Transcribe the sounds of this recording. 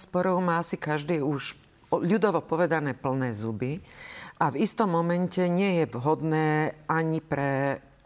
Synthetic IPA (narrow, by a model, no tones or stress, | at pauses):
spɔɾɔʊmaːasikaʒd̪iːuʃ | ʎud̪ɔʋɔpɔʋɛd̪anɛːpl̩nɛːzubiʔavist̪ɔmːɔmɛncɛɲɪɛjɛʋɦɔd̪nɛːʔaɲipɾɛ